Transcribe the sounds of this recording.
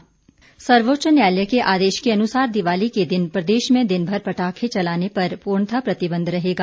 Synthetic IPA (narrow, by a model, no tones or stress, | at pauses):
sɐɾʋoːtːt͡ʃənjaːljəkeʔaːd̪eːʃkeɐnʊsaːɾd̪ɪʋaːliked̪ɪnpɾɐd̪eːʃmẽd̪ɪnbʱɐɾpɐʈaːkʰet͡ʃɐlaːnepɐɾpuːɾɳt̪ʰapɾɐt̪ɪbə̃nd̪ʱɾɐɦeːɡaː